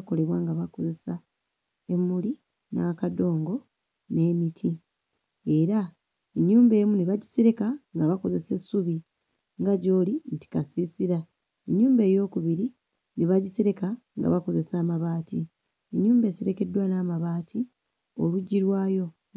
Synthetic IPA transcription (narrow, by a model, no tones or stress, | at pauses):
ko̞le̞βwaːŋɡaβako̞ze̞sa | e̞mːuli | nakado̞ːŋɡo̞ | ne̞ːmitʰi | e̞ɾa | eɲːuːmbe̞ːmuniβaɟise̞ɾe̞kaŋɡaβako̞ze̞se̞suβi | ŋɡaɟo̞ːlinti̥kasisiɾa | eɲːuːmbe̞ːjo̞ːkuβiɾi | niβaɟise̞ɾe̞ka | ŋɡa̰βako̞ze̞saːmaβaːti | eɲːuːmbe̞ːse̞ɾe̞ke̞dːwanaːmaβaːtʰi | oluɟːiɾwaːjo̞